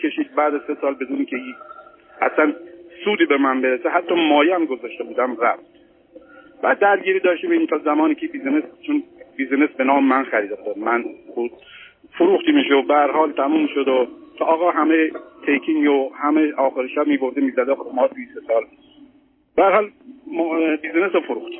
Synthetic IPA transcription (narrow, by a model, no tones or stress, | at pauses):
kʰʲe̞ʃiːd̪̚bæːd̪æzsesɒːlbe̞d̪uːniːkʲʰeji | æ̰slænsuːd̪iːbemænbeɾeseɦæt̪ʰːɒːmɒːjeæmɡo̞zɒːʃt̪ebuːd̪æmræft̪ | b̥æːd̪ːæɾɡiːɾiːd̪ɒːʃt̪imeint̪ʰɒːzæmɒːniːkʰeibiːzenest͡ʃʰonbiːzenesbenɒːmemænxæɾiːd̪efd̪ɒd̪mænbud̪ | foɾuːxt̪imiʃobæhæɾhɒːlt̪ʰæmuːmːiʃod̪okʰeʔɒːɣɒːɦæmet̪ʰejkʰiŋɡohæmeʔɒːxeɾiʃæbmiːɡo̞fd̪emiːzæd̪exomɒːɾujsesɒːl | b̥æhæɾhɒːlmbizenesofoɾuxt̪